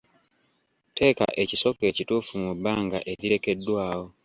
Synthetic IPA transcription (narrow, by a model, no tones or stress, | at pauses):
te̞ːka̰ʔe̞ciso̞ke̞ːcituːfumubːaːŋɡa̰ʔe̞ɾiɾe̞ke̞dːwaːwo̞